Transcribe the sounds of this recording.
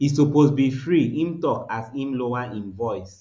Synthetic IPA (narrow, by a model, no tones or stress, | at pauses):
issuposbifɹiĩmtɔkazĩmloaĩnvɔɪs